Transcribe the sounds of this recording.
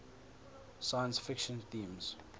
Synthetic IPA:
sajə̃nsfɪkʃə̃nθĩːmz̥

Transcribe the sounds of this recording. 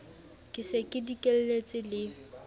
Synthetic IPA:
kʼɪsekʼɪdikʼel̩let͡sʼɪlɪ

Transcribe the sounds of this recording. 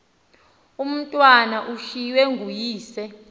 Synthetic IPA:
um̩tʼwanaʔuʃiwɛŋɡʱujiːsɛ

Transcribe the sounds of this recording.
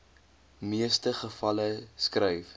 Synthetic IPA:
miəstəχəfɐləskrɛjf

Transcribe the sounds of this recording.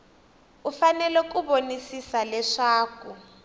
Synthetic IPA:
ufanɛlɔkuβonisisalɛʂaːku

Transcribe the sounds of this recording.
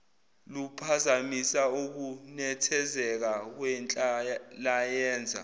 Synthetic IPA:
lupʰazamisauk̬unɛtʰɛzɛk̬ak̬wɛnt͡ɬʼalajɛːnd͡zʱa̰

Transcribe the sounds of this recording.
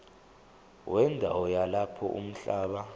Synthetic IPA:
wʔɛndʱawɔjalapʰɔ̰ʔṵm̩ɬaːɓa

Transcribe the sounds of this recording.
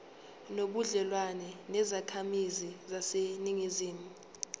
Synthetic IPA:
noɓuɮɛlwanɛnɛzakʰamizizaseniŋiziːmu

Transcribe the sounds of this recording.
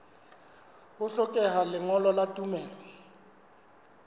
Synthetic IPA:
hʊɬɔkʼɛɦalɪŋɔlɔlatʼumɛːlɔ

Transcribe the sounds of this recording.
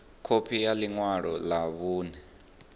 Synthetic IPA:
kʰopʰijaliŋwaɺɔlaβuːnɛ

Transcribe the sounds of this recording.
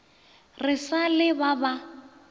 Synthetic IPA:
rɪsalɪbaba

